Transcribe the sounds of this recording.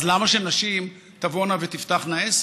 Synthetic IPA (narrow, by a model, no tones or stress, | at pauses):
lamaʃenaʃim | t̪avonavet̪ift̪aχnaes